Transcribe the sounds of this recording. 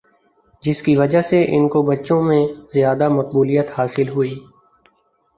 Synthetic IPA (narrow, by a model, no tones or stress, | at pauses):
d͡ʒɪskiʋɐd͡ʒaseʔɪ̰nkobɐtːʃõmẽzjaːd̪amɐq̚buːlijət̪haːsɪlɦʊiː